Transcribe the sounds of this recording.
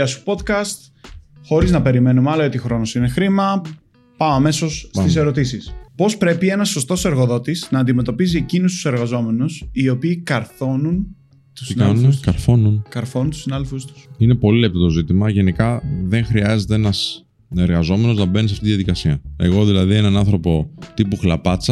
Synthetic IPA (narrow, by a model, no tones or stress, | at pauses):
ɐsu̥po̞d̪kɐst̪ | xo̞ɾiznɐpe̞ɾime̞numɐlɐot̪ixɾo̞nosine̞xɾimɐ | pɐmɐme̞so̞ssp̪ise̞ɾo̞t̪isispo̞spɾe̞pie̞nɐsːo̞st̪o̞se̞ɾɣoðo̞t̪isnɐːnd̪ime̞t̪o̞piziecinost̪u̥se̞ɾɣɐzo̞me̞nusio̞piːkɐɾθo̞nun | t̪u̥snaskɐɾθo̞nunkɐɾθo̞nunt̪usinɐðelfust̪u̥sine̞po̞lile̞p̚t̪o̞t̪o̞zit̪imɐʝe̞nikɐðe̞ŋxɾiɐze̞t̪eenɐs | e̞ɾɣɐzo̞me̞no̞znɐbenis̬ɐft̪it̪ððɐðikɐsiɐe̞ɣo̞ðilɐðie̞nɐnɐnθɾo̞po̞t̪ipuxlɐpɐt͡sɐ